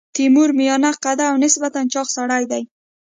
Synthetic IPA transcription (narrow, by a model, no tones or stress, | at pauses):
t̪imuɾmɪjɔnaqad̪aːwnɪsbat̪ant͡ʃɑqsaɽajd̪aj